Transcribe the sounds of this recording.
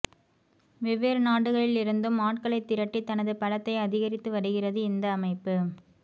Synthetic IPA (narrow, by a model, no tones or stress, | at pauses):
ʋɛʋːeːɾnaːɽɯɣɐɭɪlɪɾɯnd̪ɯmːaːʈkɐɭɐɪt̪ːɪɾɐʈːit̪ːɐnɐðɯpɐlɐt̪ːɐɪɐðɪɣɐɾɪt̪ːɯʋɐɽɯɣɪrɐðɯɪnd̪ɐːmɐɪpːɯ